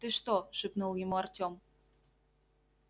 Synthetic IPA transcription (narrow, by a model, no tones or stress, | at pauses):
t̪eʃt̪oʃø̆pnolimoɑrtʲom